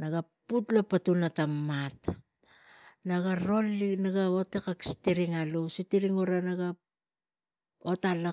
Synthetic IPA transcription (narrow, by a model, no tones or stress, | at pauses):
naɡaputlapatunatamːat | naɡaɾo̞linaɡaotekaksi̥tiɾiŋalusitiɾiŋuɾanaɡa | otala